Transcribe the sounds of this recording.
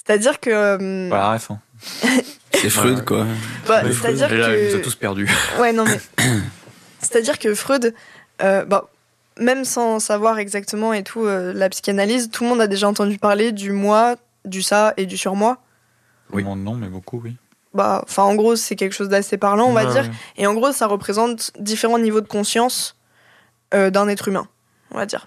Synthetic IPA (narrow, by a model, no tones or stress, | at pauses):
se̥t̪ad̪iʁkəømaaʁɛfɛ̃ | sɛfχød̪kwa̰baset̪ad̪iʁlɔuspɛʁd̪ywɛnɔ̃mɛ | se̥t̪ad̪iʁkəfχød̪øba | mɛmsɑ̃savwaʁɛɡzak̚t̪əmɑ̃et̪ʰuølapsi̥kanalizt̪ulmɔ̃d̪ad̪eʒaɑ̃t̪ɑ̃d̪ypaʁled̪ymwa | d̪ysaed̪ysyʁmwa | mɔ̃nɔ̃mɛbokuwi | ba̰ɑ̰̃fɛ̃ɑ̃ɡʁosɛkʲɛlkə̥ʃozd̪asepaʁlɑ̃ɔ̃vad̪iːʁeɑ̃ɡʁosaʁəpχezɑ̃t̪d̪ifeʁɑ̃nivod̪əkɔ̃sjɑ̃s | ød̪ɛ̃nɛt̪χymɛ̰̃ | ɔ̰̃va̰d̪ḭːʁ